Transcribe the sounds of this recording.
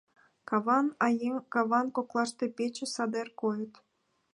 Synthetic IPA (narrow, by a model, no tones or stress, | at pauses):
kɑβɑnɑjekɑβɑnkoklˠɑʃt̪epet͡ɕĕsɑd̪erkojə̆t̪